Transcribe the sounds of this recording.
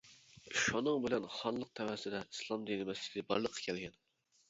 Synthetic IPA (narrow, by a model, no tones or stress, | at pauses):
ʃunɨŋbɪlɛnχɑnlˠəq̚t̪ʰɛwæsɪd̪ɛislˠɑmd̪inɪmɛsi̥lɪbɑ̰ɾlˠəqʰːɑ̥kʲʰɛlɡʲɛn